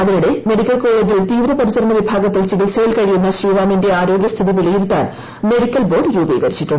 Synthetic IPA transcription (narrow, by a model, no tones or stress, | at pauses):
ɐðinuɽe̞me̞ɽikʲːɐlko̞ːɭe̞ːd͡ʑilt̪iːʋɾɐpɐɾisɐɾɐɳɐʋibʱaːɡɐt̪ːilt͡ɕiɣilseːlkɐɻijunːɐɕriːʋaːminde̞aːɾo̞ːɡjɐst̪ʰiðiʋilijiɾut̪ːa̰ːn | me̞ɽikʲːɐlbo̞ːɖɾuːbḭːɡɐɾit͡ɕːiʈːuɳɖ